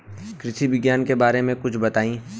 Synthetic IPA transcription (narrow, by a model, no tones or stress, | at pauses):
kɾɪʃiʋɪɡjaːnkebaːɾemẽkʊt͡ʃʰbɐt̪aːĩː